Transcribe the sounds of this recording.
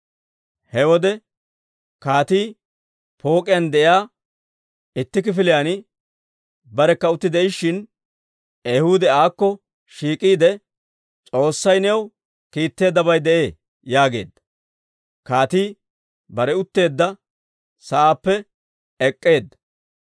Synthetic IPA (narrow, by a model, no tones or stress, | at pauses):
hɛwɔd̪ɛ | kaːt̪iː | po̞ːkʼɪjɐnd̪ɛʔɪjaː | ɪt̪ːɪk̬ɪfɪlɪjanɪ | bɐɾɛkːɐʊt̪ːɪd̪ɛɪʃːɪn | ɛjhʊd̪ɛaːkːɔ | ʃiːkʼiːd̪ɛ | t͡sʼo̞ːsːɐjnɛw | kiːt̪ːe̞ːd̪ːɐbɐjd̪ɛʔe̞ː | jaːɡe̞̰ːd̪ːɐ | kaːt̪iː | bɐɾɛʊt̪ːe̞ːd̪ːɐ | sɐaːpːɛ | ɛkʼːe̞ːd̪ːɐ̥